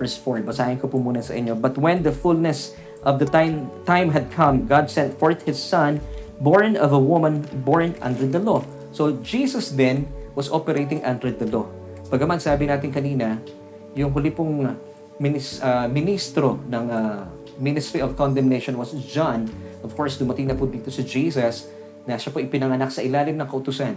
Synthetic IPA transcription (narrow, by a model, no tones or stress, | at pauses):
əɹsfoɹbɐsaːhɪnkopʊmuːnɐsɐ̰ʔɪ̰ɲːobɐt̪̚wɛ̃nd̪ɐfulnɛs | ʔɔvd̪ɐt̪t̪ãjmɦɐd̪̚kʰɐ̃mɡad̪̚sɛ̃nt̪fɔɹt̪̚hɪsːɐ̃nboɹnɔvɐwʊmɐ̃nboɹnɐ̰̃nd̪ɾɪd̪ɐlo | sod͡ʒiːsɐsd̪ɛ̃nwɐsʔopɛɾejt̪ɪ̃ŋʔɐnd̪ɾɪd̪ɐlo | b̥ɐɡɐmansaːbɪnaːt̪ɪŋkɐniːnɐ | jʊŋɦʊlɪpʊŋ | mɪnɪsɐmɪnist̪ɾonɐŋa | mɪnɪst̪ɾiɔvkɔ̃nd̪ɛmnejʃonwɐsd͡ʒanʔɔv̥kɔɹsd̪ʊmɐt̪ɪŋnɐpʊd̪iːt̪osɐd͡ʒiːsɐs | nɐʃapoʔɪpɪnɐŋɐnak̚sɐʔɪlaːlɪmnɐŋkɐʔʊt̪ʊsan